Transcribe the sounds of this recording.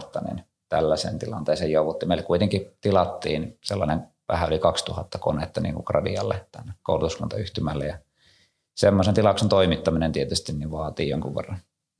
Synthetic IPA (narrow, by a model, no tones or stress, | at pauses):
t̪ːɑnḭn | t̪ælːæsḛnt̪ilɑnt̪eːsejjouʋut̪ːimeilːekuit̪eŋkit̪ilɑt̪ːiːnselːɑneŋ | ʋæ̰hæolikɑkst̪uhɑt̪ːɑkonet̪ːɑnḭːŋkukrɑ̰diɑ̰lːet̪ænːeko̰ˑulut̪uskɑnt̪ɑyht̪ymælːejɑ | semːosent̪ilɑˑuksent̪oimit̪ːɑminent̪iet̪yst̪inniʋʋɑːt̪iːjo̰ŋkuʋʋḛrːɑn